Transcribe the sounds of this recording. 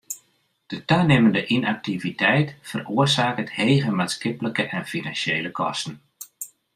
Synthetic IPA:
d̥ətœɥnɪməndəʔinak̚tivitɛjtfəroərsaːkəthejɣəmaːtskɪpləkəʔɛnfinansjejləkʰɔ̰stən̩

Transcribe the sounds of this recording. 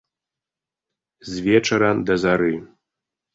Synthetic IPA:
zʲvʲɛt͡ʃɐɾɐd̪ɐzaɾɨ

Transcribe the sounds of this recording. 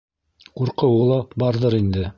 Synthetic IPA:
quɾqɤwɤlˠɑbɑɾðɤɾind̪ɘ

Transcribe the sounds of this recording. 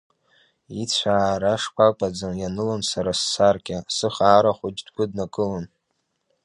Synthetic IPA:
it͡sʷʰaːɾaʂkʷʰakʷʼad͡zanjanɨlansaɾasːarkʲʼasɨχaːɾaχʷʊd͡ʒdɡʷʊdnakʼɨlan

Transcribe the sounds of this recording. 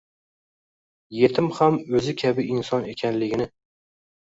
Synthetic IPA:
je̞t̪ʰɪmhamɵzɪkʲʰabɪʔɪnsɒnekʲʰanlɪɡʲɪnɪ

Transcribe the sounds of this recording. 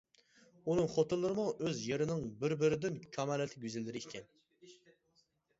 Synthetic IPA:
unɨŋχot̪ʰɨlˠːɨɾɨmuʔøzjeɾɪnɪŋbɪɾbɪɾɪd̪ɪnkʲʰɑmɑːlɛt̪ʰɪɡʲyzɪlːɪɾɪikʲʰɛn

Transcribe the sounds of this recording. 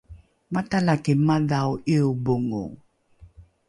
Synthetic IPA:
matalakemaðawʔioboŋo̰

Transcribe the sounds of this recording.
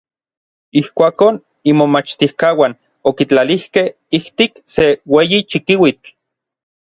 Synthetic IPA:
ihkʷaːkon | imomat͡ʃt̪ihkaːwan | okit͡ɬalihkeh | iht̪ikseweːjit͡ʃikiwit͡ɬ

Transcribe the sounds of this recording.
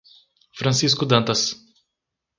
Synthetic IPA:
fɾɐ̃sis̬kʊd̪ɐ̃nt̪ɐs

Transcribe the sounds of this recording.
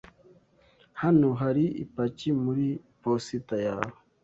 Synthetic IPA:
hanuɦaɾiḭpat͡ʃimuɾipɔsitaja̰

